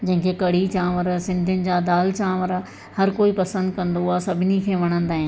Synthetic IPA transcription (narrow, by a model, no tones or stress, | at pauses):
d͡ʑɐ̃ɦɪ̃ŋkʰekɐɽ̤it͡ɕãːʋəɾsɪ̃nd̪ʱənɪ̆d͡ʑad̪aːlt͡ɕãːʋəɾ | hɐɾkoːipɐsə̃nd̪kɐ̃nd̪oaːsɐbʱɪnikʰeːʋɐɽ̃ə̃nd̪aːɦɪ̃n